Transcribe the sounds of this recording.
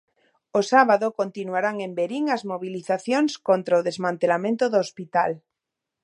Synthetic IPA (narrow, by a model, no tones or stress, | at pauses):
osaβaðokont̪inuaɾaŋẽmbeɾiŋazmoβ̞iliθaθjoŋskont̪ɾaoðezmãnt̪elamẽnt̪oðoːspit̪al